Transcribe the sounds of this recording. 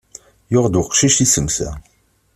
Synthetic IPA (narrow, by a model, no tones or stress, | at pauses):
jʊʁd̪uqʃiʃtisəmsæ̰